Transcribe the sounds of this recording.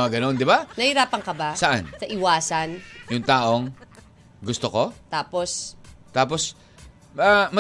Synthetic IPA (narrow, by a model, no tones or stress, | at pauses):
ŋɐɡɐno̞nd̪ɪbanɐhiɾaːpɐŋkɐbasɐʔansɐʔɪwaːsɐnjʊŋt̪aːʔo̞ŋ | ɡʊst̪oko̞t̪aːpost̪aːpos | amɐ